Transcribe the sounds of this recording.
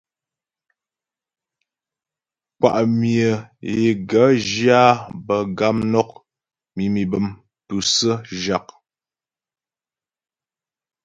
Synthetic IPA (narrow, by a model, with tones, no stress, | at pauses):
k͡pa̰˨ʔmjə˨je˨ɡə˨˦d͡ʒja˦bə˨ɡa˦mnɔ˦k̚ | mi˨mi˨bə˨m | tu˨sə˦ʒa˨k̚